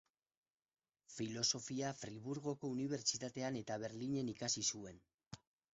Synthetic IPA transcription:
filo̞so̞fiafɾiβuɾɣo̞ko̞uniβ̞e̞ɾt͡ʃit̪at̪e̞ane̞t̪aβ̞e̞ɾliɲe̞nikasisue̞n

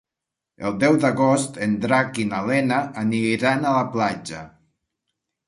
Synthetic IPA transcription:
elˠd̪ɛwd̪aɣɔst̪end̪ɾakinalɛnaʔːniɾanalaplad͡ʒa

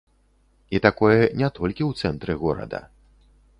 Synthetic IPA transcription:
it̪akɔjɛnʲɛt̪ɔlʲkʲiwt̪sɛnt̪ɾɨɣɔɾɐ̰d̪ɐ̰

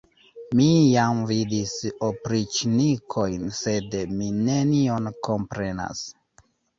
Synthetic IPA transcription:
mijamvidisopɾit͡ʃnikʰo̞jnse̞dmine̞nio̞nko̞mpɾe̞na̰s

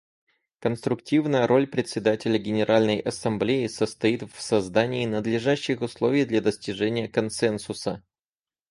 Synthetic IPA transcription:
kənst̪ɾʊktʲivnəjəɾʔo̞lʲpɾʲɪt̪ʲsʲɪd̪atʲɪlʲəɡʲɪnʲɪɾʔalʲnəjʔɐsɐmblʲejɪsəst̪ɐit̪fsɐzd̪anʲɪːnəd̪lʲɪʐaɕːɪxʊslˠo̞vʲɪjd̪lʲad̪əsʲtʲɪʐɛnʲɪjəkɐnsɛnsʊsə

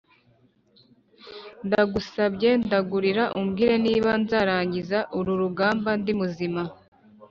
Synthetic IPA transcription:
ndaɡusabɟe̞ndaɡuɾiɾaʔumɡiːɾe̞niːβanzaːɾaːɲɟizaʔuɾuɾuɡaːmbandimuzima

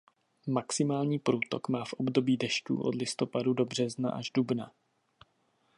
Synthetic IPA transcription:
maksɪmaːlɲiːpɾuːt̪o̞̰kmaːfʔo̞bdo̞biːdɛʃt̪ṵːʔo̞̰dlɪst̪o̞padudo̞br̝ɛzna̰ʔaʒdubna

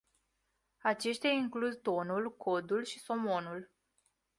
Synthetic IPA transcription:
at͡ʃe̞ʃt̪jaiŋkluzt̪o̞nulkʰo̞d̪ulʃiso̞mo̞nul

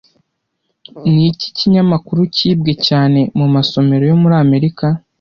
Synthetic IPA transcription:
nici̥ciɲamakuɾuciːb̚ɡe̞caːne̞mumaso̞me̞ɾo̞jo̞muɾaːme̞ɾika

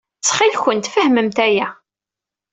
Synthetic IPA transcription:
t͡sːχilçənt̪fəhməmt̪æjæ

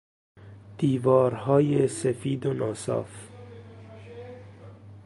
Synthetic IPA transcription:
d̪̥iːvɒːɾhɒːjesefiːd̪onɒːsɒ̰ːf

